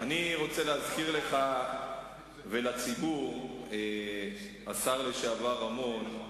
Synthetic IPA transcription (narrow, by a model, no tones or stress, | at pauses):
aniʁo̞t͡seleazkiʁle̞χa | velat͡sibuʁe | asaʁliʃeavaʁamo̞n